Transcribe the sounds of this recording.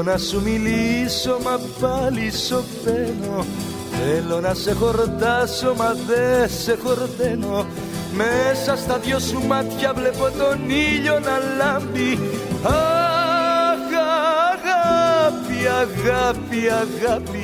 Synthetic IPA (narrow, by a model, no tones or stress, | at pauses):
nasumilisomapalisot̪eno | elonasekoɾt̪asomaðesekoɾt̪eno | mesast̪aðjosumat̪kjaβlepot̪oniʎonalambia | ɣaɣapjaɣapiaɣapi